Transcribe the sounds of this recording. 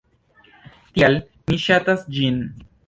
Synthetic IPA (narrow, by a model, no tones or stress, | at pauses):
t̪ial | miʃat̪asd͡ʒin